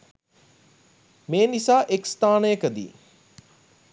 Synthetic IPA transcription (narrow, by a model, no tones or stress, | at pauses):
meːnisaːʔekst̪aːnəjəkəd̪ḭː